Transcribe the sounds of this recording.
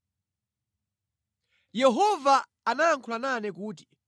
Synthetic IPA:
jɛɦɔva | anaːŋkʰulananɛkuːt̬i̥

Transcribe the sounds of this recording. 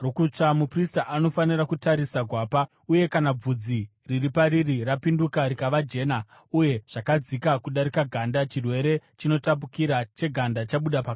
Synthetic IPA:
rokut͡ʂamupristaʔano̞fanirakutaɾisaɡʱwaːpa | uje̞kanab͡vud͡zi | riripaɾirirapindukaɾikaʋad͡ʒe̞ːna | uje̞ʐ̥akad͡zikakuɗaɾikaɡʱandat͡ʃirwe̞ɾe̞t͡ʃino̞tap̬ukiɾat͡ʃe̞ɡʱandat͡ʃaɓuɗapaka

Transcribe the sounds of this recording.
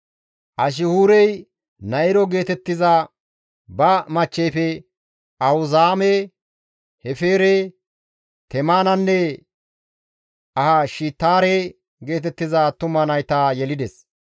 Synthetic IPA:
ʔɐʃ̬ɪhuːɾɛj | nɐɪɾɔɡe̞ːt̪ɛt̪ːɪza | bɐmɐt͡ʃːɛjfɛ | ɐhʊzaːmɛ | hɛfeːɾe | t̪ɛmaːnɐnːɛ | ʔɐhɐʃiːt̪ːaːɾe | ɡe̞ːt̪ɛt̪ːɪzat̪ʊmɐnɐjt̪aːjɛlɪd̪ɛs

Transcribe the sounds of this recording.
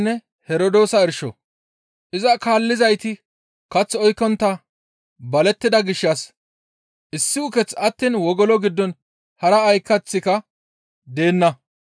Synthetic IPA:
nːɛ | hɛɾɔd̪o̞ːsɐɪɾʃɔ̰ | ʔɪzɐkaːlːɪzɐjt̪ɪ | kɐt͡sːɔjkːɔnt̪ːɐ | bɐlɛt̪ːɪd̪ɐɡɪʃːɐs | ʔɪsːɪʊkɛt͡sɐt̪ːiːnwɔɡɔlɔɡɪd̪ːɔn | hɐɾɐːjkːɐt͡sːɪkɐ | d̪e̞ːnːɐ

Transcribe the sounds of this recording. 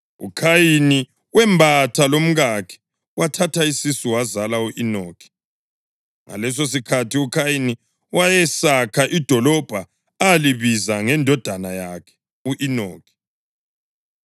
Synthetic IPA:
ṵkʰajini | wɛmbʱatʰalom̩ɣakʰɛ̥ | wʔatʰatʰaisisuwazalauʔinoːkʰi̥ | ŋa̰lɛs̬os̬ikʰatʰiukʰajini | wajɛsakʰaʔid̥ʱɔlɔb̥ʱa | aliβizaŋɛndʱɔd̥ʱanajakʰɛ̥ | uʔino̰ːkʰi̥

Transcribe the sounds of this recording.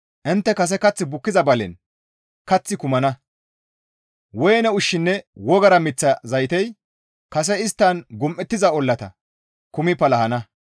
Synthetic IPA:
ʔɪnt̪ːɛkɐs̬ɛkɐt͡sːɪbʊkːɪzɐbɐlɛ̰n | kɐt͡sːɪkʊmɐnɐ | wɔjɛnɛʊʃːɪnːɛwɔɡɐɾɐmɪt͡sːɐzɐjt̪ɛj | kɐs̬ɛɪst̪ːɐnɡʊmʔːɛt̪ːɪzɐɔlːɐt̪ɐ̰ | kʊmɪpɐlɐhɐnɐ

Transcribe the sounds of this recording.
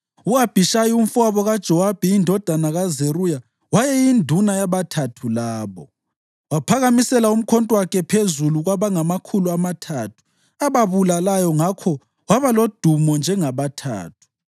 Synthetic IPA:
uab̥ʱiʃajium̩faβɔɣad̥ʒ̥ʱɔwab̥ʱɛindʱɔd̥ʱanaɣazeruja | wajɛjindʱunajaβatʰatʰulaːβɔ | wapʰaɣamisɛlaum̩kʰɔntʼwakʰɛpʰezuluɣwaβaŋamakʰuluamatʰatʰu̥ | aβaβulalajɔŋakʰɔ | waβalod̥ʱumɔnd͡ʒʱɛŋaβatʰa̰ːt̚ʰu̥

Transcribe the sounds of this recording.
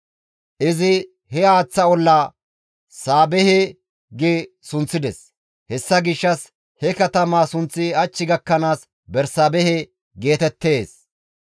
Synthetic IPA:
ʔɪzɪ | hɛaːt͡sːɐɔlːa | saːbɛhɛ | ɡɪ | sʊnt͡sːɪd̪ɛs | hɛsːɐɡɪʃːɐs | hɛkɐt̪ɐmaːsʊnt͡sːɪɐt͡ʃːɪɡɐkːɐnaːs | bɛɾsabɛhɛ | ɡe̞ːt̪ɛt̪ːe̞ːs

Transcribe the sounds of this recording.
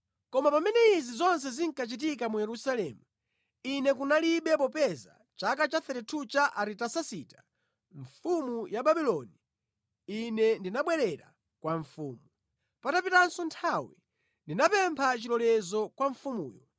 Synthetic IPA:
kɔmapamɛnɛizizɔns̬ɛziŋkat͡ʃit̬ikamujɛɾusalɛːmu | inɛkunaliɓɛpɔpɛza̰ | t͡ʃakat͡ʃaθɛɾɛtʰut͡ʃaʔaɾitasasitḁ | ɱfumujaɓaɓilɔni | inɛndinaɓwɛɾɛɾa̰ | kwaɱfuːmu | patapitansɔntʰawi | ndinapɛmpʰat͡ʃilɔlɛzɔkwaɱfumṵːjɔ

